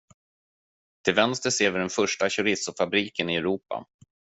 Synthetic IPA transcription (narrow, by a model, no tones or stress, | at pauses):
t̪ʰɪlvɛnst̪əseːvɪɖɛnfœʂʈaɕɵɾɪsʊfabɾiːkənɪɛɾuːpa̰